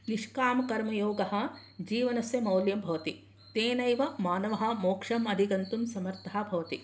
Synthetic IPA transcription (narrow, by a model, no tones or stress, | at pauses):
niʂkaːmɐkɐɾmɐjoːɡɐɦɐ̆ | d͡ʒiːʋɐnɐsjɐmɐwljɐmbʱɐʋɐt̪i | t̪eːnɐjʋɐmaːnɐʋɐɦɐ̆moːkʂɐmɐd̪ʱiɡɐnt̪umsɐmɐɾt̪ʰɐaɦɐbʱɐʋɐt̪i